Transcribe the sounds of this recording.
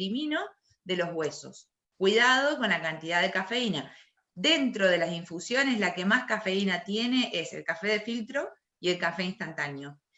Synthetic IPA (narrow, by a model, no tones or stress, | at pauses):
imino̞ | ðe̞lo̞zɣwe̞so̞̰s | kwiðað̞o̞ko̞nlakant̪iðaðekafe̞ina | ðe̞nt̪ɾo̞ð̞elasiɱfusjo̞ne̞slake̞maskafe̞inat̪je̞ne̞ʔese̞̰lkafe̞ðe̞filt̪ɾo̞ | ie̞lkafe̞inst̪ant̪anjo̞